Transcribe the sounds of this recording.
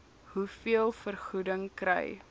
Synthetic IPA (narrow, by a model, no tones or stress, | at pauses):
ɦufiəlˠfərχudəŋkɾɛ̰j